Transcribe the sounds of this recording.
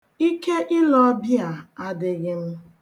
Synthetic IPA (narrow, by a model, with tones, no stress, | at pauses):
i˦ke˦ʔɪ˦lɔ˦bja˨a˦dɪ˨ɣɪ˦m̩˦